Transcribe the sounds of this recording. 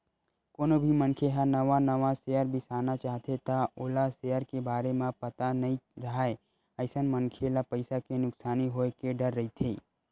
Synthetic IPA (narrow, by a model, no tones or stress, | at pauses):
koːnobʱimənkʰeɦãnəʋanəʋaseəɾbʱisaːnat͡ʃaːɦt̪ʰet̪aoːlasejəɾkebaːɾemẽpət̪anɐɦĩɾəɦae | əɪsənmənkʰelapəɪsakenʊksaːniɦoekeɖəɾːəɦit̪ʰeː